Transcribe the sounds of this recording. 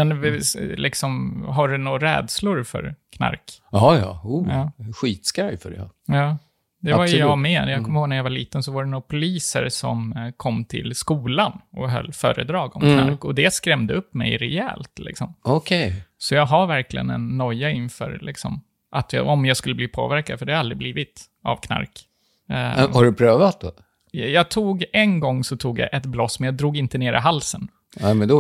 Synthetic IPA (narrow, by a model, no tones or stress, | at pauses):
mɛnlɪksɔmɦaɖɵnuɾɛ̰ːd̪slʊɾfœ̰ɾkʰna̰ɾkɑːjɑ̰ːuɑːɧiːt̪skɾajfœɖɛ̰jɑː | d̪ɛvajəjɑɡmɛnjɑɡʰɔmːəhoːɡnæɾjavaliːt̪ənsɔvaɖɛnuːpʰʊliːsə̰ɾsɔ̰mkʰɔmːt̪ʰɪ̰lskuːlanɔɦœ̰lːfœ̰ːɾə̰d̪ɾɑːɡɔmkk̪ʰaɾkɔd̪ɛskɾɛmd̪əɵpːmɛ̰jɾɛɛ̰ːlt̪lɪ̰ksɔmɔkʰɛjsɔjɑːɡɦaɾvæɾklɪ̰ɡənɛ̰nːɔjːaɪnfœ̰ːɾlɪksɔ̰m | ʔat̪jɑ̰ɔmjɑːɡskɵlːəbliːpʰo̰ːvæɾkad̪fœɖɛhaɾalɾɪbliːvɪt̪ | ʔa̰vkʰna̰ɾk | haɖɵpʰɾøːvat̪̚d̪o | jɑːɡt̪ʰuːɡɛnɡɔŋːsɔt̪ʰuːɡja̰ʔɛt̪blɔsmɛnjɑːɡd̪ɾuːɡɪnt̪əneːɾʔɪ̰ɦalsən | ɛmɛnd̪